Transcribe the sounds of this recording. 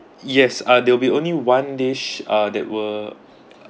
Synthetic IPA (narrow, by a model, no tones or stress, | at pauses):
jɛsadɛwəlbiõnliwãndeʃadɛ̰t̚wə